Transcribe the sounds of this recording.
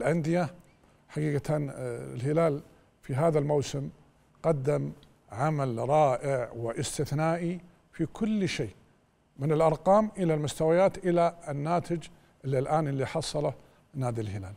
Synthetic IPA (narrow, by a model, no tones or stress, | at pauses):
lʔand̪ɪja | ħaɡiːɡat̪anɪ̰lhɪlaːl | fiɦaːðalmawsɪm | qɑd̪ːam | ʕamalɾˤɑːʔɪʕwɪʔɪst̪ɪθnaːʔi | fikʰʊlːʃeː | mɪnɪlʔɑɾˤqɑːmʔɪlalmʊst̪awajaːt̪ʔɪlanːaːt̪ɪd͡ʒ | ʔɪlːilʔaːnʔɪlːiħɑsˤɑla | naːd̪ilɦɪlaːl